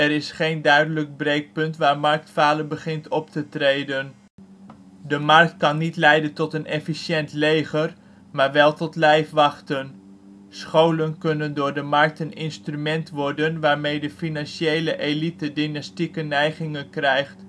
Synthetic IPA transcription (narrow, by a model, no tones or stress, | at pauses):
ɛɾɪsχejndœɥdələɡ̚brejk̚pɵntʋaːɹmɑɹk̚tfaːləbəχɪntɔp̚tətrejdən | dəmɑɹk̚tkɑnːitlɛjdəntɔtənɛfisɛntlejχər | maːɹʋɛlˠtɔtlɛjfʋɑχtən | sχowlənkɵnəndʊːɹdəmɑɹk̚tənɪnstrymɛntʋɔɹdənʋaːɹmejdəfinɑnʃejləʔelitədinɑstikənɛjχɪŋənkrɛjχt